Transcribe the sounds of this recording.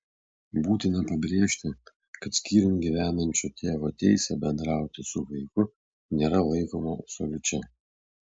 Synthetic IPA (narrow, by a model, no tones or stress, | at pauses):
buːt̪ʲɪnɐpɐbʲɾʲeːʃʲt̪ʲɪ | kɐt̪sʲkʲiːɾʲɪnɡʲiʋʲæːnɐnʲt͡ʃʲut̪ʲeːʋot̪ʲɛɪsʲɛbʲɛnd̪ɾɑˑʊt̪ʲɪsʊʋɐɪkʊ | nʲeːɾɐlˠɐɪkoːmopsolʲʊt͡ʃʲɛ